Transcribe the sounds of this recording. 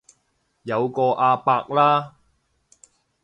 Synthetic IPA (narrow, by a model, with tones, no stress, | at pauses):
jɐ˨˧wkɔː˧ʔaː˧paː˧k̚laː˥